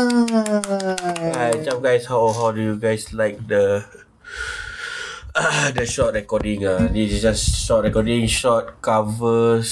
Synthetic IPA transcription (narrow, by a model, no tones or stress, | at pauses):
at͡ʃãp̚ɡaɪshawɦawdujuɡaɪslaɪk̚də | adəʃɔt̚ɹɛkɔdĩŋadisd͡ʒasʃɔt̚ɹɛkɔdĩŋʃɔt̚kavəs